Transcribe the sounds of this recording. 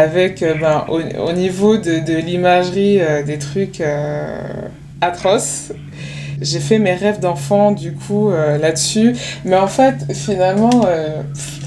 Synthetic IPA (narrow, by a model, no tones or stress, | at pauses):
avɛkøbɛ̃ʔo̰o̰nivod̪əd̪əlimaʒʁiød̪et̪χykʰø | at̪χɔs | ʒefɛmeʁɛvd̪ɑ̃fɑ̃d̪ykʰuølad̪əsymɛɑ̃fɛt̪finalmɑ̃ø